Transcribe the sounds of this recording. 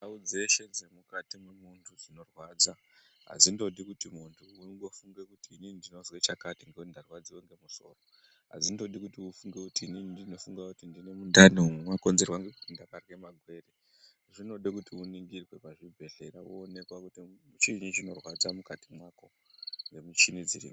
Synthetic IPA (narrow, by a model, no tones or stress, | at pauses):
daud͡ze̞ʃe̞d͡zemukatimwemuntʰuzino̞rwaːd͡za | ɦa̰zindo̞ɗikutimuntʰuuŋɡo̞fuŋɡe̞kutiːninindino̞zwet͡ʃakatiŋɡeundarwad͡ziweŋɡe̞muso̞̰ːro | ɦa̰zindo̞ɗikutiufuŋɡekutiːninidino̞fuŋɡakutindine̞mundaniumemwako̞nze̞rwaŋɡe̞kutindakarwe̞maɡʱwe̞ːre | ʐino̞ɗekutiuniŋɡirwe̞paʐib͡vʱe̞ɮe̞ɾauoːne̞kwakutiut͡ʃinit͡ʃino̞rwad͡zamukatimwako̞ | ŋɡe̞mut͡ʃinid͡zirḭmi